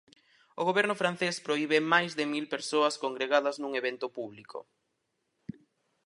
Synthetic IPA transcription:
oɣoβɛɾnʊfɾanθespɾoiβemajzðɪmilpeɾsoɐskoŋɡɾeɣaðɐznuŋeβent̪ʊpuβlikʰo̰

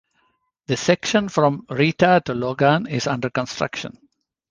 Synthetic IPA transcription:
d̪əsɛkʃə̃nfɾɔ̃mɾiːʈaʈuloːɡãnɪzʌ̃ɳɖəɾkə̃nsʈɾʌ̰kʃə̰̃n

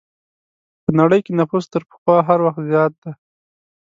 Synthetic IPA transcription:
pənaɽəjkenafust̪əɾpə̥xwɑɦaɾwaxt̪zjɑt̪̚d̪a

